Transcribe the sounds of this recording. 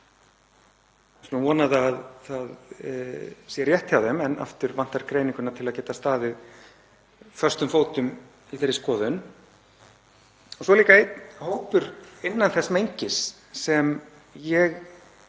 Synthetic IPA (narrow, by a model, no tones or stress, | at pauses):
snvɔːnaðaðθað | sjɛɾjɛht̪çawðɛmɛnʔa̰ft̪ʏɾvan̥t̪aɾkɾejnĩŋkʏnat̪ʰɪlaðcɛːt̪ast̪aːðɪð | fœr̥st̪ʏmfoːwt̪ʏm | iθeɾːɪ̥skɔːðʏn | ɔsɔliːkaet̪howpʏɾɪnːanθɛsmejɲcɪsː | ɛm | jɛɣ